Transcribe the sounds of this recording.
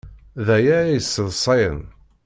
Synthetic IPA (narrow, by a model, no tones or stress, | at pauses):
ðæjæɾæjəsːəðˤsˤɑjən